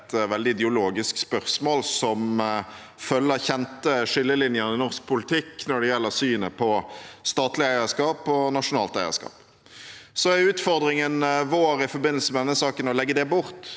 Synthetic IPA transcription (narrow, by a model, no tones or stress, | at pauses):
t̪ʋɛld̪ɪɪd̪ɛʊloːɡɪskspœʁsmoːlsɔm | fœlːəçɛnt̪əʂɪlːəlɪnjənɪnɔʁsk̚pʰʊlɪt̪ʰɪkːnɔɖɛjɛlːəɾsyːnəpʰɔst̪ɑːt̪lɪæɪəskɑːpɔnɑʂʊnɑːlt̪æɪə̰ʂkɑ̰ːp | sɔæɾʉːt̪fɔʁd̪ɾɪŋənʋoːɾɪfɔbɪnːlsəmɛd̪ɛnːəsɑːkənɔlɛɡːəd̪ɛbʊɾt̪